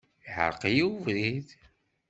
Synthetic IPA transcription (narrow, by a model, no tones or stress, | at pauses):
iħə̰ɾˤqijivɾið